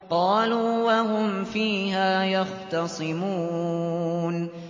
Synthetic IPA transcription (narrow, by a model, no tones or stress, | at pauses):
qɑːluːwaɦʊmfiːɦaːjɑxt̪ɑsˤɨmuː | n